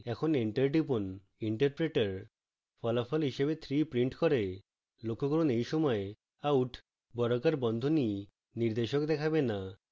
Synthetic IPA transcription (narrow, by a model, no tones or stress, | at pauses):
ɛkʰoniɳʈeɾɖipon | iɳʈeɾpɾeʈaɾ | fɔlafɔlɦiʃebet̪ʰɾipɾiɳʈkɔɾe | lokʰːokɔɾonejʃɔmɔe | auʈʰ | bɔɾokaɾbɔnd̪ʱoni | niɾd̪eʃokd̪ɛkʰabena